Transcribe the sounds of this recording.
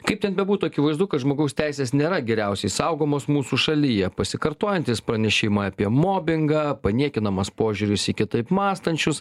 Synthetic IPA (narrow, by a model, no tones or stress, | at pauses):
kɐɪp̚tʲɛnbʲɛbuːt̪uːɐkʲɪʋɐɪzd̪ʊkɐt̪ʒmoːɡɐʊsʲt̪ʲæɪsʲeːsnʲeːɾɐɡʲɛɾʲɛʊsʲɛɪsɐʊɡoːmoːsmuːsuːʃɐlʲijɛpɐsʲɪkɐɾt̪oːjɛnʲt̪ʲiːspɾɐnʲɛʃʲɪmɑɐpʲiɛmoːbʲɪŋɡɐpɐnʲiɛkʲɪnɐmɐspoːʒʲuɾʲɪsikʲɪt̪ɐɪpmɑːst̪ɐnʲt͡ʃʲʊs